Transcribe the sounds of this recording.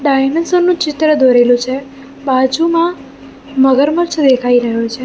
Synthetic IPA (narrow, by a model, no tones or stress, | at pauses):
ɖajmensənːũt͡ʃɪt̪ɾəd̪ʱoɾelũt͡ʃʰe | bad͡ʒumã | məɡəɾməɾt͡ʃʰd̪ekʰaiɾəɦot͡ʃʰe